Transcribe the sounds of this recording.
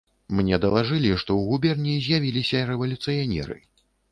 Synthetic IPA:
mnʲɛd̪ɐlˠaʐɨlʲiʂt̪ɔwɣubʲɛrnʲizʲjavʲilʲisʲɐɾɛvɐlʲut̪sɨjanʲɛ̰ɾɨ̰

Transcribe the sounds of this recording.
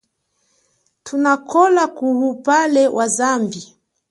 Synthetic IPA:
tʰunakʰɔlakuhupalɛwʔazambi

